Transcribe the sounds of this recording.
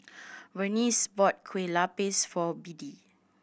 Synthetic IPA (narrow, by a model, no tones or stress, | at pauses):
wənisbɔt̚kʰwelapesfɔbidi